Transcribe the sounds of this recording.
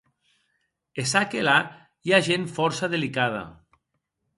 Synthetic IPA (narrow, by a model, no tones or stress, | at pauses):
esakela | iaʒenfɔɾsaðelikað̞a̰